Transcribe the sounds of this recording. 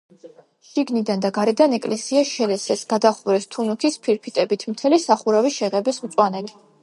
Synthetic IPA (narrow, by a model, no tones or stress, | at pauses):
ʃiɡnid̪and̪aɡaɾɛd̪anɛkʼlɛsiaʃɛlɛsɛsɡ̥ad̪aχuɾɛst̪ʰunukʰispʰiɾpʰit̪ʼɛbit̪ʰmt̪ʰɛlisaχuɾaviʃɛʁɛbɛsmt̪sʼwanɛkʼi̥